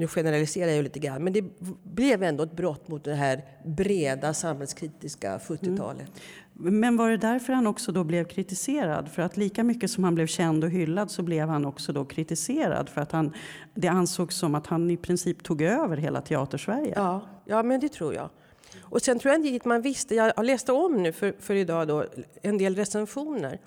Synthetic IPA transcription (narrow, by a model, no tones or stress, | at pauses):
nʉɧɛnəɾalɪseːɾajʏliːt̪əɡɾa̰nːmɛnd̪ɛblɛvɛnd̪ɔɛt̪̚bɾɔt̪ːmʊt̪̚d̪ɛɦæɾ | bɾeːd̪asamhɛlskʰɾiːt̪ɪska̰ɧɵt̪ːɪtt̪ʰɑ̰ːlə̰t̪mɛnvaɖɛd̪æɾfœɾhanɔksɔd̪ɔblɛvkʰɾɪt̪ɪseːɾa̰d̪fœɾat̪liːkamʏkːəsɔmhanblɛvɕɛnd̪ɔɦʏlːad̪sɔblɛvhanɔksɔd̪ɔkʰɾɪt̪ɪseːɾa̰d̪fœɾat̪han | d̪ɛansoːɡsːɔmat̪hanɪpʰɾɪnsiːpt̪ʰuːɡøːvəɾɦeːla̰t̪ʰɛɑ̰ːt̪əʂvæɾjə̰ːjʔɑːmɛnd̪ɛt̪ʰɾṵːɾjɑ̰ːɡ | ʔɔsɛnt̪ɾʊɛnt̪t̪manvɪst̪əjɑlɛːst̪əɔmnʉ̟ːfœɾfœɾɪd̪ɑːd̪ɔɛnd̪eːlɾɛsɛnɧuːnə̰ɾ